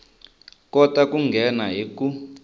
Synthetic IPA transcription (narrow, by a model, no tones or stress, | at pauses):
kɔtʼakuŋɡʱɛnaɦiku